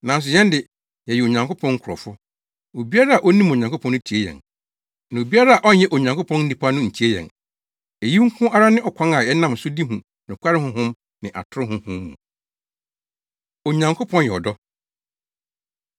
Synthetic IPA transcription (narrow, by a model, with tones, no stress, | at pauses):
nã˨n˦s̬ʊ˨jɛ̃˦ndɪ˨ | jɛ˨ji˨o˨ɲã˨ŋko˦pʰɔ̃˦ŋ̩˦kʰɔ˨fʊ˦ | o˨bi˦a˦ɾa˦a˨ʔɔ˦nĩ˦mo˨ɲã˨ŋkʰo˦pʰɔ̃˦n˦ɪ̃˦tʰi˨e˦jɛ̰̃˨n | nã˨o˨bi˦a˦ɾa˦a˨ʔɔ˦n˦jɛ˦ʔo˨ɲã˨ŋkʰʊ˦pʰɔ̃˦n̩˦di˦pʰa˦nʊ̃˦ɲ̩˨tʰi˦e˦jɛ̰̃˨n | e˨ji˦ŋ̩˦kʰʊ̃˦ʔa˦ɾa˦nɪ̃˦ʔɔ˨kʷʰã˦ŋa˨jɛ˦nã˦˨msʊ˦di˦ɦũ˨ | nʊ̃˨kʷa˦ɾɪ˦hʊ̃˦ɦʊ̃˦m | nɪ̃˨ʔa̰˨tʰʊ˦ɾɪ˦ɦʊ̃˦hʊ̃˦mː˦ṵ̃˨ | o˨ɲã˨ŋkʰo˦pʰɔ̃˦njɛ˨ɔ˨dɔ˦